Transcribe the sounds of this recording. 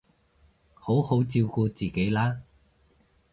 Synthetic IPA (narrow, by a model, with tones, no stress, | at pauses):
ho˨˥who˨˥wt͡siː˧wkuː˧t͡siː˨˩ke˨˥jlaː˥